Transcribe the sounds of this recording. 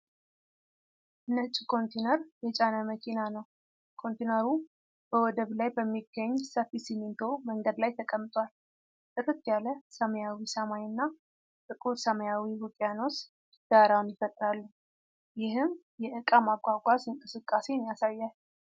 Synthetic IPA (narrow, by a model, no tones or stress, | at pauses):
ʔnət͡ʃʼːikʰo̞nt̪ʰenəɾjɛt͡ʃʼanəməkʰinanəw | kʰo̞nt̪ʰenəɾu | b̥əwɔd̪əβlajbəmːiɡːəɲːsəfisimint̪ʰo̞məŋɡəd̪lajt̪ʰəkʼəmːt̪ʼwʷal | t̪ʼɨɾɨt̪ʰjaləsəməjawisəmajɨnːa | t̪ʼɨkʼuɾsəməjawiwʊkʼjano̞s | d̪̥aɾawnjɪfət̪ʼɾalːu | jɪhɨm | jɛʔɨkʼamaɡʷaɡʷazɨŋkʼɨsɨkʼːase̞nijasajːal